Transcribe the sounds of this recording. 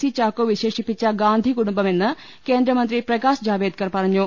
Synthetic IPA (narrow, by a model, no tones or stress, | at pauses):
sit͡ɕaːkoːʋiʃeːʂipːit͡ɕːɐɡaːnd̪ʱiɡuɽumbɐmenːɨ | keːnd̪ɾɐmɐnt̪ɾipɾɐkaːsd͡ʑaːʋeːd̪̚kɐɾpɐɾɐɲːoː